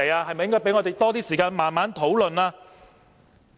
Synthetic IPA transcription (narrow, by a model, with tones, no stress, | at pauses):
jaː˧hɐ˨jmɐ˨jɪ˥ŋkɔː˥pe˨˥ŋɔː˨˧e˨jt̪ɔː˥t̪̬iː˥siː˨kaː˧nmaː˨˩nmaː˨˥nt̪ʰo˨˥wlɵ˨naː˧